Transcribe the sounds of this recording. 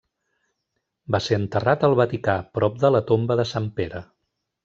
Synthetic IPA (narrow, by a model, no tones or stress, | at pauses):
baseənt̪ərat̪əlˠβət̪ikapɾɔp̚d̪ələt̪ombəðəsampeɾə